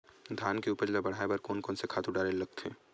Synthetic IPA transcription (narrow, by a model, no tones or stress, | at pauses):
d̪ʱaːnkeuːpəɾd͡ʒabɐɽ̤aːebɐɾkoːnkɔːnsekʰaːt̪uɖaːɾellɐɡ̚t̪ʰeː